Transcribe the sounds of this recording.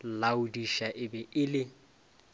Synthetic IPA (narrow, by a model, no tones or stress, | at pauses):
laudiʃaʔɪbɛʔɪlɪ